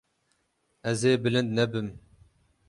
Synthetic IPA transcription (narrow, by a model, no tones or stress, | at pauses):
ɛzeːbɨlɨnd̪nɛbɨm